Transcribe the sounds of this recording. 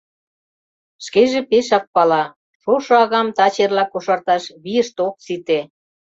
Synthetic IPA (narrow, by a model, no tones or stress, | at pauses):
ʃkeʒepeʃɑk̚pɑlɑ | ʃoʃɤɑɣɑmt̪ɑt͡ɕerlɑkoʃɑrt̪ɑʃβiəʃt̪ok̚t͡sit̪e